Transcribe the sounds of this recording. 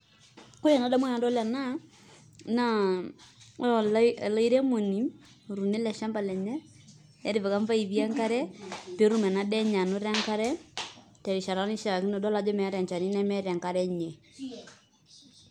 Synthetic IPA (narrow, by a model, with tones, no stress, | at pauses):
ko˦ja˨na˨˦da˦mwa˦na˨dɔ˦la˨na˦ | na˦ | ɔ˨lla˦i˦ɾɛ˦mo˨ni˨˦˨ | ɾu˨ne˦lɛ˨ʃa˦mba˨lɛ˨ɲɛ˦ | jɛ˦ɾi˦vɛ˨ka˦ɱfa˦i˨βi˦a˦ŋka˦ɾɛ˦pe˦ɾu˦mɛ˨na˨˦dɛ˦ɲa˨no˦ɾa˦ŋka˦ɾɛ˦ | tɛ˨ɾi˨ʃa˨ɾa˦ni˦ʃa˨ki˦nɔ˨dɔ˦la˨˦d͡ʒɔ˦mɛ˨˦ɾa˨ɲt͡ʃa˨ni˦na˦mɛ˦ɾa˨ŋka˦ɾɛ˦ɲe˨